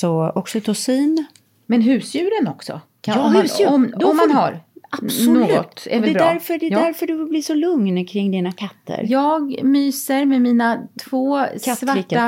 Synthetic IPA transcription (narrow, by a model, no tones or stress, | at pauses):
sɔɔksɔt̪ʰɔsiːn | mɛnɦʉ̟ːsjʉ̟ːɾənɔksɔ̰ | ʉʉɔmɔmmːanɦaɾḁnoːɡɡɔ̰t̪ɛ̰ɛdɛbd̪æɾfœɖɛd̪æɾfœɖɵɪbliːʂɔlɵŋnkʰɾɪŋːd̪inakʰat̪ʰːə̰ɾjɑːɡmyːsəɾmemiːnat̪ʰv̥oːvaiʈːa